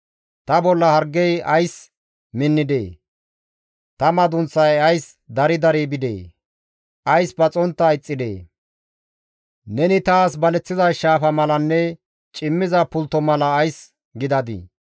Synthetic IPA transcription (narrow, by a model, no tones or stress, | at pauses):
t̪ɐbɔlːɐhɐɾɡːɛjɐjs | mɪnːɪd̪ḛː | t̪ɐmɐd̪ʊnt͡sːɐjɐjs | d̪ɐɾɪd̪ɐɾiːbɪd̪ḛː | ʔɐjsbɐt͡sʼɔnt̪ːɐɪt͡sʼːɪd̪ḛː | nɛnɪt̪aːsbɐlɛt͡sːɪzɐjʃaːfɐmɐlɐnːɛ | t͡ʃʼɪmːɪzɐpʊlt̪ːɔmɐlɐːjs | ɡɪd̪ɐd̪ɪ̰